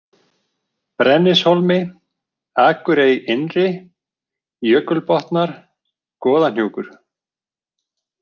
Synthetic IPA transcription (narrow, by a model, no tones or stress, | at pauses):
pɾɛnːɪshɔlmɪ | aːkʏɾejɪnrɪ | jœːkʏlpɔht̪naɾ̥ | kɔːðan̥juːkʏɾ̥